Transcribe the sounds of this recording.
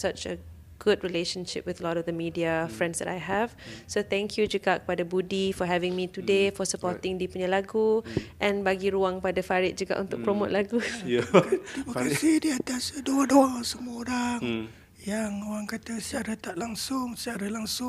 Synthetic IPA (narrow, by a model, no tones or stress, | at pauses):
sat͡ʃə | ɡ̥ʊd̚ɹileʃə̃nʃɪ̰p̚wɪðəlɔɾɔvd̪əmidiafɹɛ̃ndsd̪ɛ̰tajɦɛvsot̪ɛ̃ŋkʰjud͡ʒuɡakə̥padabudifɔɦɛvɪ̃ŋmit̪udefɔsəpɔt̪ɪ̃ŋdipuɲalaɡuʔɛ̃nbaɡiɾuãŋkəpadafaɹit̪̚d͡ʒuɡa̰ʔṵ̃nt̪ʊk̚pɾomot̚laɡujt̪imakasidiat̪asdoadɔasəmũoɾaŋ | jaŋoɾaŋkat̪asət͡ʃaɾat̪aʔlaŋsʊŋsət͡ʃaɾalaŋsʊŋ